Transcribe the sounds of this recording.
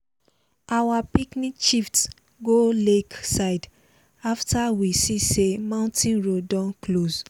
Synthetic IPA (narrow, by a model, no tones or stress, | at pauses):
awapiknĩkʃift | ɡoleksaɪd | aftawisisemãʊ̃ntʰĩnɹodɔ̃nkloz